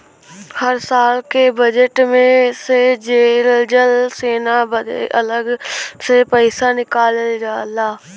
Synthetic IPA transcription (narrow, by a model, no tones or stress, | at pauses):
həɾsaːlkebəd͡ʒəʈmẽsed͡ʒeːld͡ʒəlseːnabəd̰ələɡsepəɪsaːnɪkaːld͡ʒaːlaː